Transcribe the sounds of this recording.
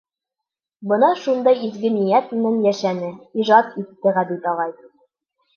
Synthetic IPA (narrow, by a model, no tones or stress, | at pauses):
bɤ̆nɑʃund̪ɑjizɡɘnijæt̪mɘ̆nɘnjæʃænɘiʒɑt̪it̪ːɘʁæb̪it̪ɒʁɑj